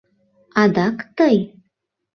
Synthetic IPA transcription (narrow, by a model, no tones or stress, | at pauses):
ɑd̪ɑkt̪ɤj